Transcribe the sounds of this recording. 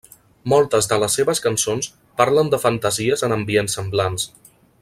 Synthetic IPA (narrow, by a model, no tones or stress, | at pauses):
mɔlˠt̪əzðələsːeβəskənsons | paɾlənd̪əfənt̪əziəzənəmbiensːəmblans